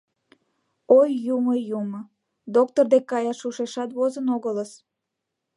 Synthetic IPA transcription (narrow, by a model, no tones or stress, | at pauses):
ojːuməjumə | d̪ok̚t̪ord̪ekːɑjɑʃuʃeʃɑt̪βozənoɣələs